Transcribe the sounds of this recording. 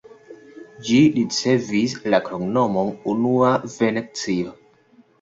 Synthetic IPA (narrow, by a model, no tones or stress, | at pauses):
d͡ʒiɾit͡se̞vislakɾoɡnomonunuavenek̚t͡sio